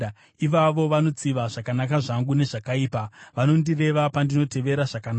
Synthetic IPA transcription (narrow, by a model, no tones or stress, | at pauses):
iʋaʋo̞ʋano̞t͡siʋaʐakanakaʐaŋɡune̞ʐakaiːpaʋano̞ndire̞ʋapandino̞tʰe̞ʋe̞ɾaʐakana